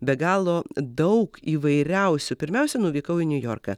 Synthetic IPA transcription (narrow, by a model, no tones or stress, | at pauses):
bʲɛɡɑːlˠoːd̪ɐʊkiːʋɐɪɾʲɛʊsʲʊpʲɪɾʲmʲɛʊsʲɛnuːʋʲiːkɐʊɪnʲʊjo̰ːrkɐ̰ː